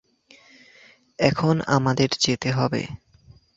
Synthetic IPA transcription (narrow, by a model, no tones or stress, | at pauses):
ɛkʰona̰mad̪eɾd͡ʑet̪eɦɔbḛ